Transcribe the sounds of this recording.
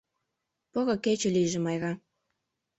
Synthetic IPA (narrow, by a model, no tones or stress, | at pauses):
poɣɤ̆ket͡ɕĕlijʒĕmɑjɣɑ